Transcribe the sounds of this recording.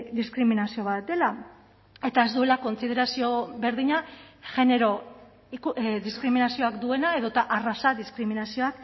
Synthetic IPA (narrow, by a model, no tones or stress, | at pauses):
d̪iskɾiminasio̞βat̪̚d̪e̞la | e̞t̪ae̞zd̪ue̞lako̞nsið̞e̞ɾasio̞βe̞ɾðiɲa | ʝe̞ne̞ɾo̞ | kðiskɾiminasioakd̪ue̞nae̞ðo̞t̪aʔarasaðiskɾiminasio̞ak